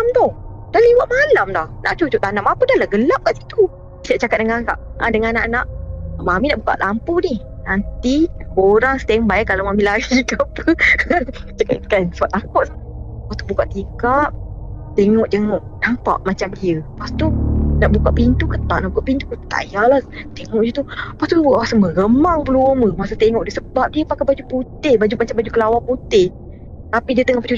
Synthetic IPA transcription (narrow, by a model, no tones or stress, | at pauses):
amt̪o | d̥aliwaʔmalamdahnʔa̰ʔt͡ʃut͡ʃuʔt̪anamapədalahɡəlap̚kaʔsi̥t̪u | siaʔt͡ʃakat̪̚dəŋãka̰ʔãdəŋãnaʔnaʔmaminaʔbuka̰ʔlampunih | nant̪ioɾaŋsə̥t̪ɛŋbaɛʔkːalamamilaɡikapə | t͡ʃakakanfaʔt̪akɔʔs | past̪ubukaʔt̪ikaʔ̚t̪eŋɔʔd͡ʒəŋɔʔnampa̰ʔmat͡ʃamdiəpast̪unaʔbukaʔpint̪ukət̪a̰ʔnaʔbukaʔpint̪ukət̪a̰jalaht̪eŋɔʔd͡ʒət̪upast̪uasəməɣəmaŋbəluəməmasat̪eŋɔʔdiəsəbap̚diəpakabad͡ʒuput̪ɪhbad͡ʒumat͡ʃambad͡ʒukəlawaput̪ɪh | t̪apidiət̪eŋɔhpət͡ʃu